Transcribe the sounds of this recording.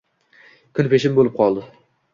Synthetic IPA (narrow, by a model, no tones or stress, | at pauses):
kʰʊnpeʃɪmbolɪp̚qʰɒlˠd̪ɪ